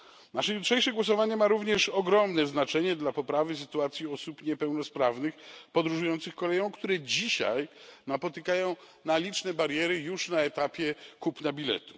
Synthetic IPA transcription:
naʂɛjutʂɛjʂɛɡwɔsɔvaɲɛmaɾuvɲɛʂɔɡɾɔmnɛznat͡ʂɛɲɛd̪lapɔpɾavɘs̬ɘt̪uat̪sʲjiɔsupɲɛpɛwnɔspɾavnɘxpɔd̪ɾuʐujɔnt̪sɘxkɔlɛjɔ̃w̃kt̪uɾɛd͡ʑiɕa̰jnapɔt̪ɘkajɔ̃w̃ | nalʲit͡ʂnɛbaɾjɛɾɘjuʂnaɛt̪apʲjɛkupnabʲilɛ̰t̪u̥

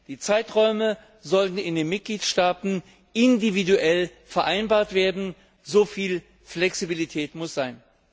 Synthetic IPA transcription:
d̥iːt͡saɪtʁɔʏmə | zɔltn̩ɪndeːnmɪt̚ɡ̥liːtʃtaːtn̩ | ɪndividuʔɛlfɛɐʔaɪnbaːɐtv̥eːɐdn̩ | zofiːl | flɛksibilitʰɛːtmʊsz̥aɪn

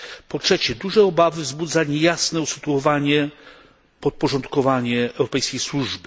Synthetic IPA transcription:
pɔtʂɛt͡ɕɛd̪uʐɛɔbavɘvzbud̪zaɲɛjasnɛusɨt̪uɔvaɲɛ | pɔt̪̚pɔʐɔnt̪kɔvaɲɛːwɾɔpɛjskʲejswuʐbɘ

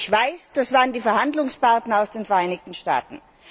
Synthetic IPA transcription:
çv̥aɪsd̥asv̥aːʁəndiːfɛɐɦandlʊŋspaɐtn̩aʊsd̥eːnfɛɐʔaɪnɪçtn̩ʃta̰ːtn̩

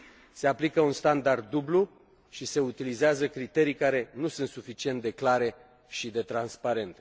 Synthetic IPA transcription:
se̞aplikəunst̪and̪ard̪̚ːublu | ʃise̞ut̪ilizeazəkɾit̪e̞ɾijkaɾe̞nusunt̪sufit͡ʃie̞nt̪̚d̪e̞klaɾe̞ | ʃid̪e̞t̪ɾanspaɾe̞nt̪e

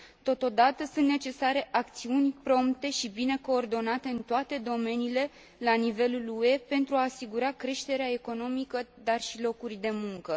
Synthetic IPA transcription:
t̪o̞t̪o̞d̪at̪əsunt̪ne̞t͡ʃe̞saɾe̞ʔak̚t̪siunʲpɾo̞mpt̪e̞ʃibine̞ko̞ːrd̪o̞nat̪e̞ɨnt̪oat̪e̞d̪o̞me̞niːle̞ | lanive̞lulue̞pe̞nt̪ɾuaːsiɡuɾakɾe̞ʃt̪e̞ɾeae̞ko̞no̞mikəd̪arʃilo̞kurʲd̪e̞muŋkə

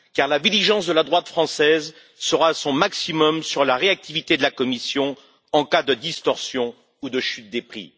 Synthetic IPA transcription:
kaʁlad̪iliʒɑ̃sd̪əlad̪ʁwat̪fχɑ̃sɛz | səʁaːsɔ̃maksimɔmsyʁlaʁeak̚t̪ivit̪ed̪əlakɔmisjɔ̃ | ɑ̃kad̪əd̪ist̪ɔʁsjɔ̃ | ud̪əʃyt̪̚d̪epχḭ

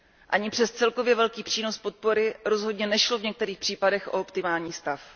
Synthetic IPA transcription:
ʔaɲɪpr̥ɛst̪t͡sɛlko̞vjɛvɛlkiːpr̥iːno̞spo̞t̪̚po̞ɾɪɾo̞zɦo̞dɲɛnɛʃlo̞vɲɛk̚t̪ɛɾiːxpr̥iːpadɛxʔo̞̰opt̪ɪmaːlɲiːst̪af

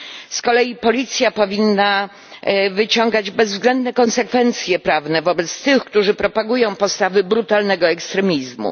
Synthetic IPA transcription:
skɔlɛjipɔlʲit̪sʲjapɔvʲinːa | vɘt͡ɕɔŋɡad͡ʑbɛzvzɡlɛnd̪nɛkɔnsɛkfɛnt̪sʲjɛpɾavnɛvɔbɛt̪st̪ɘxkt̪uʐɘpɾɔpaɡujɔ̃w̃pɔst̪avɘbɾut̪alnɛɡɔɛkst̪ɾɛmʲizmṵ

